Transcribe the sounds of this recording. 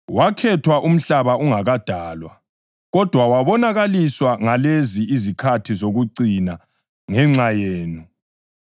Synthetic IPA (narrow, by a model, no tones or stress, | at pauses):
wakʰɛtʰwaʔum̩ɬaβauŋaɣad̥ʱaːlwa | ɣɔd̥ʱwawaβɔnaɣaliswaŋaleziizikʰatʰizoɣuǀina | ŋɛŋ͡ǀajeːnu